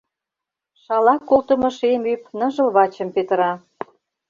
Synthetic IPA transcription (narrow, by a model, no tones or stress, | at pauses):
ʃɑlɑkːolt̪ə̆mɤ̆ʃemypnə̆ʒə̆lβɑt͡ɕə̆mpet̪ə̆ɾɑ